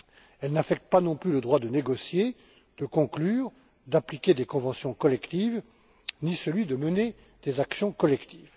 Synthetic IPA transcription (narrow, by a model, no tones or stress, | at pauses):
ɛlnafɛk̚t̪əpanɔ̃plyləd̪ʁwad̪əneɡɔsje | d̪̥əkɔ̃klyːʁ | d̪aplikʲed̪ekɔ̃vɑ̃sjɔ̃kɔlɛkt̪iv | nisəlɥid̪əməne | d̪̥ezaksjɔ̃kɔlɛkt̪iːv